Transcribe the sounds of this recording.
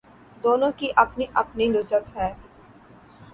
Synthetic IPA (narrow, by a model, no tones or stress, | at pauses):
d̪oːnõkiʔɐpniʔɐpninʊzət̪ɦɛː